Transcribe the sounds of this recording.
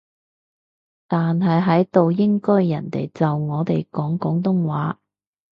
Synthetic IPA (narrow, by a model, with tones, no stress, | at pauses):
t̪aː˨nɦɐ˨jɦɐ˨˥jt̪o˨wjɪ˥ŋkɵ˥jːɐ̰˨˩nt̪ḛ˨jt͡sɐ˨wŋɔː˨˧t̪e˨jkɔː˨˥ŋkɔː˨˥ŋt̪̬ʊ˥ŋwaː˨˥